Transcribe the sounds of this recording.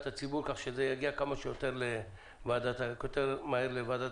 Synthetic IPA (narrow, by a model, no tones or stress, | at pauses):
t̪at͡sibuɾkaχʃezejaɡiakamaʃejot̪eʁle | vaad̪at̪aot̪eʁmaheʁlevaːd̪a